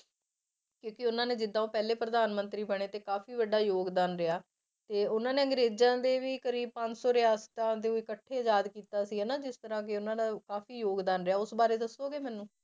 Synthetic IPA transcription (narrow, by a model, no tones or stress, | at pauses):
kjõːkɪʊnãːneːd͡ʒɪd̪ːãːoːpɛːleːpɾəd̪aːnmənt̪ɾiːbɛɽ̃eːt̪eːkaːfʰiːʋəɖaːjoːɡd̪aːnɾɪaː | t̪eːʊnãːneːəŋɡɾeːd͡ʒãːd̪eːʋiːkəɾiːb̚pə̃ɲd͡ʒsɔːɾɪaːst̪ãːd̪eːoɪkəʈʰːeːd͡ʒaːd̪kiːt̪aːsiːɦɛːnãːd͡ʒɪst̪əɾãːk̬ɪʊnãːd̪aːkaːfiːjoːɡd̪aːnɾɪjaːʊsbaːɾeːd̪əsːoːɡeːmɛːnũː